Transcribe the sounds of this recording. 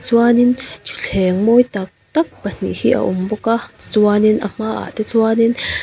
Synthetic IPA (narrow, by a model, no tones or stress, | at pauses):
t͡swaːnint͡ʃu̥ɬeːŋmojt̪ak̚t̪ak̚b̥an̥ḭhiʔa̰ʔumbokati̥t͡swanina̰maʔa̰t̪et͡swaːnin